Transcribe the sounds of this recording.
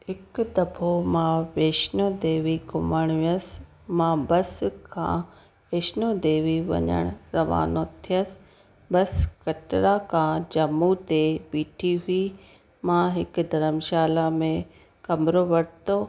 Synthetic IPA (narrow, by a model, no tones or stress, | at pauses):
hɪkd̪ɐbʱomãːʋeːʃnod̪eːʋiɡʊməɽ̃ʋiəs | mãːbɐskʰã̰ː | ʋeːʃnod̪eːʋiʋɐ̰ɲə̰ɽ̃ʊɾɐʋa̰ːnot̪ʰijəsɪ̥̆ | bɐskɐʈɾakʰãːd͡ʑɐmut̪eɓiːʈʰiɦʊi | mãːɦɪkʊ̆d̪ʱɐɾəmʃaːlamẽ | kɐmɾoʋɐɽt̪oː